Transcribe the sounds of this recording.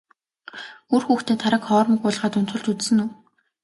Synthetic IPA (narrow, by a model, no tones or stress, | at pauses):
urxuːxt̪ʰeːt̪ʰaɾə̆kχɔːr̆mĭkʊːɮ̆ʁaːt̪ɵn̥t͡s̪ʊ̆ɮt͡ɕut͡ssɘ̆nuː